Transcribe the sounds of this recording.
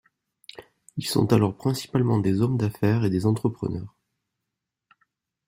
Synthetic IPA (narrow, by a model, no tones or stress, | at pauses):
ilsɔ̰̃t̪alɔʁpχɛ̃si̥palmɑ̃d̪ezɔmd̪afɛʁed̪ezɑ̃t̪χəpχə̰nœːʁ